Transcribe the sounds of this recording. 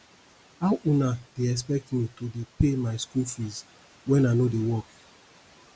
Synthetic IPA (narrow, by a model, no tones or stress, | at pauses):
awʔunadeɛs̬pɛk̚tmitodepemaɪskulfis | wɛ̃nanodewɔk